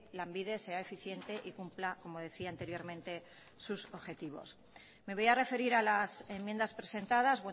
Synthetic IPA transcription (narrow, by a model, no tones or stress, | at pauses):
laembiðe̞se̞ae̞fiθje̞nt̪e̞ʔikumplako̞mo̞ð̞e̞θiant̪e̞ɾjo̞ɾmẽ̞nt̪e̞ | suso̞βxe̞t̪iβo̞̰s | me̞β̞o̞jare̞fe̞ɾiɾalase̞mje̞nd̪aspɾe̞se̞nt̪að̞azβwe